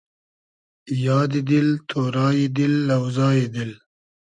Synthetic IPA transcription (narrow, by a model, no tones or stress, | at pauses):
jɑːd̪id̪ilt̪ʰoːɾɑːjid̪ilːawzɑːjed̪il